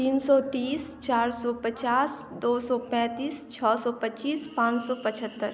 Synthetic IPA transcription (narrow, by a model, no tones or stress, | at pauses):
t̪iːnsɔt̪iːst͡ʃaːɾsɔpət͡ʃaːsd̪oːsɔpɛ̃ːt̪iːst͡ʃʰɔːsɔːpətːt͡ʃiːspãːt͡ʃsɔpət͡ʃʰət̪ːəɾ